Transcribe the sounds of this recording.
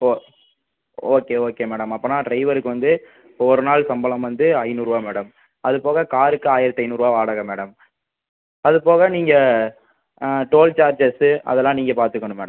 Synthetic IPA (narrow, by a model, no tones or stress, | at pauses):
o | oːkeːoːkeːmeːɽɐmɐpːɐnːãːʈɾɐɪʋɐɾɯkːɯʋɐnd̪ɯ | ɔɾɯnaːɭsɐmbɐlɐmʋɐnd̪ɯɐɪnuːɾɯʋaːmeːɽɐm | ɐðɯpoːɣɐkaːɾɯkːɯaːjɪɾɐt̪ːɐɪnuːɾɯʋaːʋaːɽɐɣɐmeːɽɐm | ɐðɯpoːɣɐniːŋɡɐ | ʈoːlt͡ʃaːɾd͡ʒɐsɐ̰ðɛlːãːniːŋɡɐpaːɾt̪ɯkːɐɳɯmḛːɽɐm